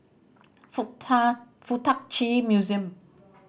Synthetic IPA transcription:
f | fut̪ʰak̚t͡ɕʰimjuziəm

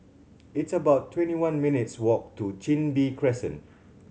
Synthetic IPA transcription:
itsəbaʊtʰːwɛ̃ntiwãnminitswɔk̚tut͡ʃĩnbikʰɹɛsə̃n

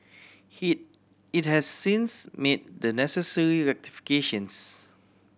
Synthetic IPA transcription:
it̚hɛsːĩnsmed̚dənɛsəsəɹiɹɛk̚ti̥fi̥keʃə̃ns

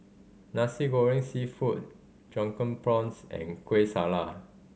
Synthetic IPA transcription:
nasiɡoɹɪ̃ŋsifut̚ | d͡ʒɔ̃ŋkə̃npɹɔ̃nsɛ̰̃nkʰwesala

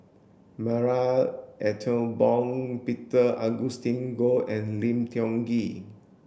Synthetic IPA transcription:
maɹaʔɛtʰə̃bɔ̃ŋpitəaɡustĩnɡoɛ̃nlĩmtʰiɔ̃ŋɡi

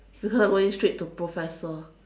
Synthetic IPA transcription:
b̥ikʰɔzãɡoɪ̃ŋstɹit̚tːupʰɹɔfɛsə

